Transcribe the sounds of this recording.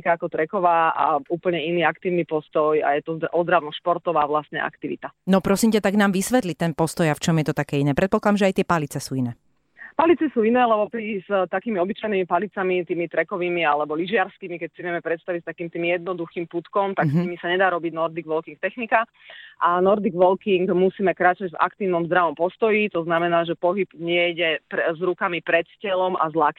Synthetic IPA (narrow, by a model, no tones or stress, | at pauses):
kaakɔt̪ɾɛkɔʋaːa̰uːpl̩ɲɛiniːakt̪iːʊnipɔst̪ɔja̰jɛt̪ɔʔɔzd̪ɾaʊnɔʃpɔɾt̪ɔʋaːʋlast̪ɲɛʔa̰kt̪iʋḭt̪anɔpɾɔsimcɛt̪aɡnaːmʋisʋɛt̪lit̪ɛnpɔst̪ɔjaft͡ʃɔmjɛt̪ɔt̪akɛːinɛːpɾɛt̪pɔklad̪amʒɛajt̪ɪɛpalit͡sɛsuːinɛː | palit͡sɛsuːinɛːlɛbɔpɾist̪akiːmiɔbit͡ʃajniːmipalit͡samit̪iːmit̪ɾɛkɔʋiːmialɛbɔliʒɪaɾskiːmikɛcsiʋɪɛmɛpɾɛt̪st̪aʋicst̪akiːmt̪iːmijɛd̪̚nɔd̪uxiːmput̪kɔmt̪aksɲimisaɲɛd̪aːɾɔbiɟnɔɾd̪iɡʋɔlkiŋk̚t̪ɛxnika | ʔanɔɾd̪iɡʋɔlkiŋɡmusiːmɛkɾaːt͡ʃaɟva̰kt̪iːʊnɔmzd̪ɾaʋɔmpɔst̪ɔjit̪ɔznamɛnaːʒɛpɔɦib̥ɲɪɛjɟɛpzɾukamipɾɛt̪scɛlɔmʔa̰zlak